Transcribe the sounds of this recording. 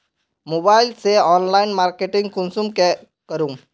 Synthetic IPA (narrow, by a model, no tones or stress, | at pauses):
mobailseɔnlainmaɾkeʈĩŋɡkunsumke | kəɾũŋ